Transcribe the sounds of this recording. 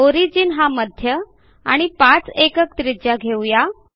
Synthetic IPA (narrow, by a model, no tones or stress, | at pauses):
oɾid͡ʑiːnɦaməd̪ʱjə | a̰ɽ̃ipat͡sekəkt̪ɾid͡ʑjaɡʱewja